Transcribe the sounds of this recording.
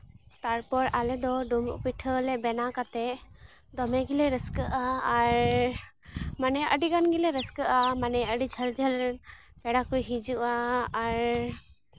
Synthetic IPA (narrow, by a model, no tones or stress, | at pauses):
t̪aɾpɔɾalɛd̪ɔɖumṵpiʈʰəlɛbɛnakat̪ɛ | d̪ɔmɛɡilɛɾəskəʔaːɾ | manɛʔəɖiɡanɡilɛɾəskəʔamanɛəɖid͡ʒʱəld͡ʒʱəl | pɛɽakujɦid͡ʒuʔaːɾ